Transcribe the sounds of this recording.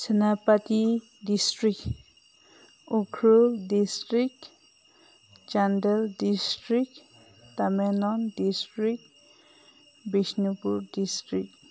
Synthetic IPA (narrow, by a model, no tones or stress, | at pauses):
sɛnapati | distɾik̚ | ɔkʰɾuldistɾik | d͡ʒandɛldistɾik̚ | tamenɔndistɾik | bisnupuɾdistɾik